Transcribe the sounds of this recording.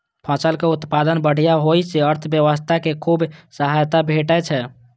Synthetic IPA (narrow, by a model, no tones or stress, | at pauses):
pʰə̃səlkeut̪pad̪ənbəɽ̤ijaɦojseəɾt̪ʰbjəʋəst̪ʰakekʰubsəɦajt̪abʱeʈɛt͡ʃʰɛ